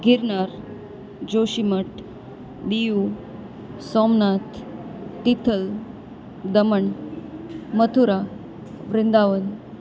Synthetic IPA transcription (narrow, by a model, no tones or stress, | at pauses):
ɡiɾnaɾ | d͡ʑoɕiməʈ | d̪iju | sɔmnat̪ʰː | it̪ʰəl | d̪əməɳ | mət̪ʰuɾa | ʋɾind̪aʋən